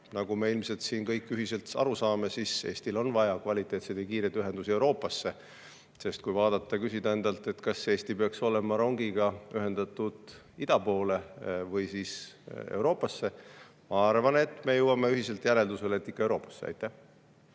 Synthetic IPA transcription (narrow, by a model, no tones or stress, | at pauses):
nɑɡume̞ilmse̞lt̪siːnkɤjkːˑyɦise̞lt̪ɑ̰ɾusɑːme̞sise̞̰ːsʲt̪ilo̞nvɑjɑkvɑlʲit̪ˑːe̞ːt̪sed̪̥jɑkiːɾet̪yɦe̞nd̪̥usie̞wɾo̞ːpːˑɑsːe̞ | se̞st̪̚kujvɑːd̪̥ɑt̪ˑːɑkysid̪̥ɑe̞nd̪̥ɑlt̪ˑe̞t̪kɑse̞ːst̪ipeɑkso̞le̞mɑɾo̞ŋɡiɡ̥ɑyɦe̞nd̪̥ɑt̪ːud̪̥ | id̪̥ɑpo̞ːle̞vɤjsiːse̞̰wɾo̞ːpːˑɑsːe̞ | mɑɑrvɑne̞t̪ːˑme̞jɤwɑme̞yɦise̞lt̪jæle̞ld̪useleet̪ːikːɑe̞wɾo̞ːpːˑɑ̥sːeɑ̰jt̪ːˑæh